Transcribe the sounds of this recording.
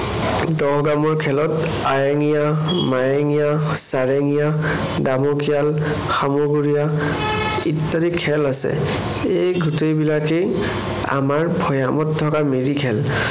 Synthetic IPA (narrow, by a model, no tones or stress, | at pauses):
dɔɦɡamɔɹkʰɛlɔt | ajaŋija | majaŋija | saɹeŋija | damokijal | xamoɡuɹija | itːaɾikʰːɛlasɛ̰ | ejɡutejbilake | a̰maɹbʱɔjamɔt̚dʱɔkameɹikʰɛl